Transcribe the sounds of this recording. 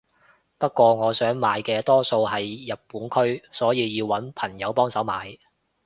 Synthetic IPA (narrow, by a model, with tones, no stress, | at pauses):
pɐ˥t̚kːʷɔː˧ŋɔː˨˧sœː˨˥ŋmaː˨˧˥jkɛː˧t̪ɔː˥so˧wɦɐ˨jːɐ˨t̚pːuː˨˥nkʰɵ˥ɥsɔː˨˥jiː˧jiː˧wɐ˨˥npʰɐ˨˩ŋjɐ˨˧wpɔː˥ŋsɐ˨˥wmaː˨˧j